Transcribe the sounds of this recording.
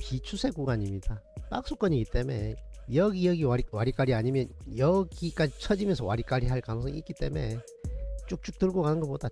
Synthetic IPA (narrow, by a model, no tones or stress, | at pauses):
pit͡ɕʰusʰe̞k͈uɡaaɲimɲidap͈ak̚s͈ok͈ʌɲiɡit͈e̞me̞̰jʌɡijʌɡiawaɾik͈aɾiaɲimjʌnjʌɡik͈ad͡ʑit͡ɕʰʌd͡ʑimjʌnsʰʌwaɾik͈aɾiɦaɭkanʌŋsʰʌŋik͈it͈e̞̰me̞ | t͡ɕ͈uk̚t͡ɕ͈uk̚t͈ɯɭɡoɡanɯnɡʌpoda